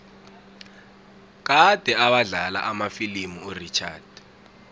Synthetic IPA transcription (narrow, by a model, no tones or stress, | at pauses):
k̬ad̥ʱɛaɓaɮala̰ʔamafilimuurit͡ʃʰa̰ːd̥